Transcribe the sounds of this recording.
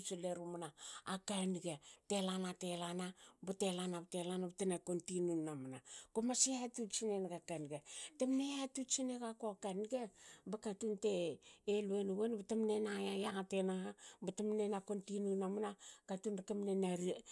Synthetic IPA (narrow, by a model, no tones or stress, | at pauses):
t͡ʃileɾumanaːkanɡetelanatelanabatelanabatelanabatenakontinunːamanakomaseatut͡ʃinenɡakanɡetemneatut͡ʃineɡakoakanɡebakatunteːluenuwenbatemnenajajaŋatenaabatamnenakontinunamanakatundakamnenaɾi